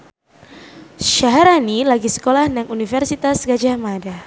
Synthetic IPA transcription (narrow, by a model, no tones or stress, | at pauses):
ʃaɦaɾanilaɡisə̥kolahnaŋunifərsit̪asɡad͡ʒamada